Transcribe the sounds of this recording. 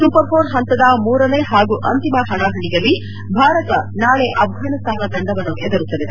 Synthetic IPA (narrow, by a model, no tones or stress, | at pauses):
suːpɐɾpʰoːɾɦɐnt̪ɐd̪ɐmuːɾɐneːɦaːɡuʔɐnt̪imɐɦɐɳaːɦɐɳijɐlːi | bʱaːɾɐt̪ɐnaːɭeʔɐbʱɦɐnɐst̪ʰaːnɐd̪ɐɳɖɐʋɐnːuʔɛd̪ɐɾut̪ːɐd̪id̪e